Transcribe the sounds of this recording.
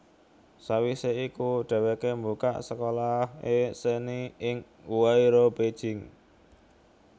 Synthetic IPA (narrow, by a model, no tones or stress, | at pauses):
sawiseikuɖ̥a̤wekembuka̰ʔsəkolaheseniɪŋ | uwaiɾobed̥ʒ̥ɪ̤ŋ